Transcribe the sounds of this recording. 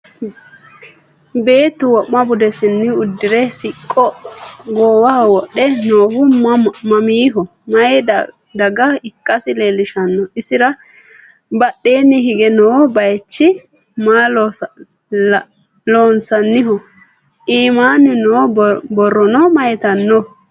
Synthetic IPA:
be̞ːt̪ːʊwɔʔmɐbʊd̪ɛsɪnːɪʊd̪ːɪɾɛsɪkʼːɔɡoːwɐhwɔɗɛnoːhʊmɐmiːɦɔ | mɐj | d̪ɐɡɐɪkʼːɐsɪleːlːɪʃɐnːɔɪsɪɾɐ | bɐɗːeːnːɪɦɪɡɛnoːbɐjt͡ʃːɪ | maːl | loːnsɐnːɪɦɔ | ʔiːmaːnɪnoːbɔrːɔnɔmɐjt̪ɐnːɔ

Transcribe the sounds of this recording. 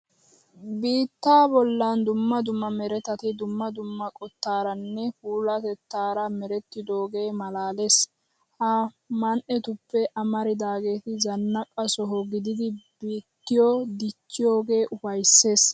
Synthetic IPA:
biːt̪ːaːbɔlːɐnd̪ʊmːɐd̪ʊmːɐmɛɾɛt̪ɐt̪ɪd̪ʊmːɐd̪ʊmːɐkʼɔt̪ːaːɾɐnːɛfuːlɐt̪ɛt̪ːaːɾɐmɛɾɛt̪ːɪd̪o̞ːɡe̞ːmɐlaːle̞ːs | hɐ | mɐnʔɛt̪ʊpːɛʔɐmɐɾɪd̪aːɡe̞ːt̪ɪzɐnːɐpʼːɐsɔɦɔɡɪd̪ɪd̪ɪbiːt̪ːɪjod̪ɪt͡ʃːɪjo̞ːɡe̞ːʔʊfɐjsːe̞ːs

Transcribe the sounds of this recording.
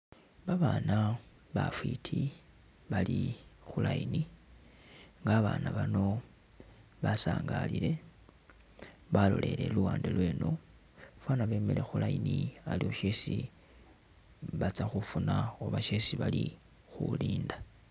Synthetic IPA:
βaβana | βafwitʰi | βalixulaini | ŋɡaːβaːnaβano̞ | βasaːŋɡalile̞ | βalo̞̰lʔe̞le̞luwaːndelwe̞ːno̞ | fwanaβe̞ːmele̞xulainialioʃesi | βat͡saxufunaoβaʃe̞siβali | xuliːnda

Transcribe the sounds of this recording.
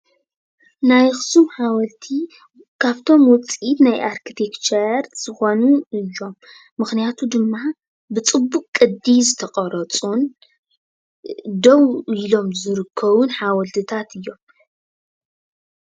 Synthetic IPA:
najxɨ̥sumħawɐlt̪ʰi | kʰaβt̪ʰo̞mwɔt͡sʼit̪najʔaɾkʰit̪ʰekt͡ʃeɾz̥ɨxo̞nuɨjːo̞mː | ɨxnijat̪ʰud̪ɨmːa | bɨt͡sʼɨbːukʼkʼːɨd̪ːizɨt̪ʰɐχʼɐɾɐt͡sʼun | d̪owilo̞mzɨɾɨkʰːɐβunħawɐlt̪ʰɨt̪ʰat̪ʰɨjːo̞m

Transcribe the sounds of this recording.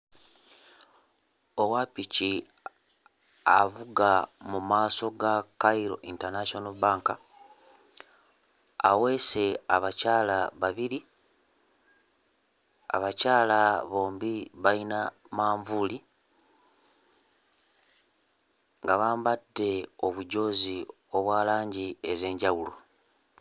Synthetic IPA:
o̞wapici | avuɡamumaːso̞ɡakaiɾo̞̰ʔintaɾnasonobaːŋka | awe̞ːse̞aβacaːlaβaβiɾi | a̰βacaːlaβo̞ːmbiβaina | maːɱvuli | ŋɡaβaːmbadːe̞o̞βuɟo̞ːzi | o̞βwaːlaːɲɟieze̞ːɲɟawulo̞

